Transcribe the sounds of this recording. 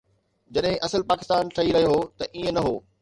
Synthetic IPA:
d͡ʑɐɗɦɪ̃ʔɐsəlpaːkɪst̪aːnʈʰɐiɾɐɦiɦoːt̪ɐʔiẽnɐɦoː

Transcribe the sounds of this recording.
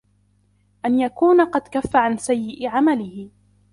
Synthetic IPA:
ʔanjakuːnaqɑd̪kafːaʕansajːɪʔɪʕamalɪhɪ

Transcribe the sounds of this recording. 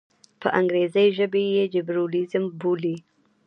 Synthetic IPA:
pʰə̰ʔaŋɡɾezəjʒəbejed͡ʒɪbɾolɪzəmbuli

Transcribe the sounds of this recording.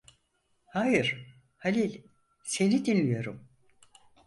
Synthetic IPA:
hajɯɾ̥ | halʲilʲ | se̞nid̪inlːʲijo̞ɾum

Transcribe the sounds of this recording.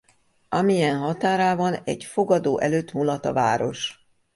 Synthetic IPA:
ɒmijɛnɦɒt̪aːɾaːvɒnɛ̰ɟfoɡɒd̪oːʔɛløːt̪mulɒt̪ɒ̰va̰ːɾo̞ʃ

